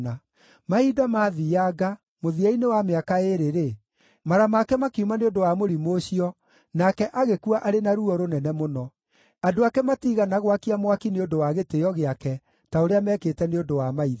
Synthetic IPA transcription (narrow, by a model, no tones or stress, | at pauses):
na | maidamaːðiaɡa | moðiainewameakaeɾeɾe | maɾamakɛmakeumaneondowamoɾimoɕiɔ | nakɛʔaɣekuaʔaɾenaɾuɔɾonɛnɛmonɔ | adoakɛmatiɣanaɣwakiamwakineondowaɣetejɔɣeakɛ | taoɾeamɛketɛneondowamaiða